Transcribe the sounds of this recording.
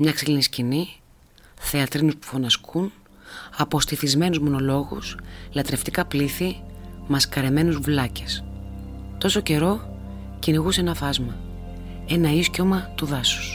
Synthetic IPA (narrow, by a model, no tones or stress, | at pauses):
mɲɐksiliniscini | θe̞ɐt̪ɾinuspu̥fo̞nɐskʰun | ɐpo̞st̪iθizme̞nuzmo̞no̞lo̞ɣṵslɐt̪ɾe̞ft̪ikɐpliθimɐskɐɾe̞me̞nuzvlɐces | t̪o̞soce̞ɾo̞ | ciniɣusenɐfɐzmɐ | e̞nɐisco̞mɐt̪uðɐsu̥s